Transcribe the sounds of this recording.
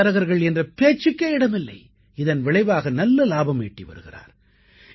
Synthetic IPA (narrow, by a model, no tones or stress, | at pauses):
ɐɾɐɣɐɾɣɐɭɛndrɐpeːt͡ʃːɯkːɐɪɪɽɐmɪlːɐ̰ɪ | ɪðɐnʋɪɭɐɪʋaːɣɐnɐlːɐlaːbɐmeːʈːiʋɐ̰ɾɯ̰ɣɪ̰ra̰ːɾ